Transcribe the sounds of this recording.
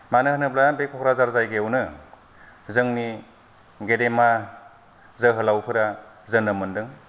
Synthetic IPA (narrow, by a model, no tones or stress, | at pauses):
manɯhɯnɯblabekʰɔkɾazaɾzajɡewnɯ | zɯŋni | ɡedema | zəɦɯlawpʰɯɾa | zɯnɯmɯndɯŋ